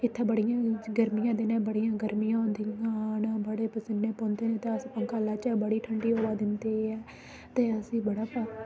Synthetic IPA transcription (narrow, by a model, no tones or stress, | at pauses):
ɪt̪ʰːãːbəɽijãːɡəɾmijãːd̪eːnãːbəɽijãːɡəɾmijãːõnd̪iɡaːnaːbəɽeːpəsɪnːeːpɔ̃ːnd̪eːnẽːt̪eəspəŋkaːlaːt͡ʃəbəɽiːʈʰəɳɖiːɦoːʋaːd̪ɪnt̪eːɛː | t̪eːəsĩːbəɽaːpaː